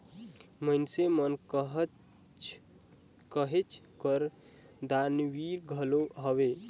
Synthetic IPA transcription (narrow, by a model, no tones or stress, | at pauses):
məɪnsemənkɦ | kəɦet͡ʃʰkəɾ | d̪anwiɾɡʱəloɦəbe